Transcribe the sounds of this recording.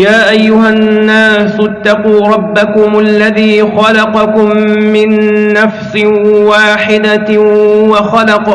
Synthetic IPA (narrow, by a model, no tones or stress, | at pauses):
jaːʔajːʊɦanːaːsʊt̪ːɑquːɾˤɑbːakʊmʔalːaðiːxɑlɑqɑkʊmːɪnːafsɪwaːħɪd̪a | waxɑlɑq